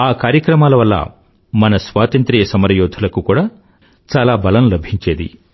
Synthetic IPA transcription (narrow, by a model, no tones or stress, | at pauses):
aːkaːɾjɐkɾɐmaːlɐʋɐlːɐ̰ | mɐnɐsʋaːt̪ɐnt̪ɾijɐsɐmɐɾɐjoːd̪ʱulɐkukuːɽaː | t͡ʃaːlaːbɐlɐmlɐbʱiɲt͡ʃeːd̪ḭ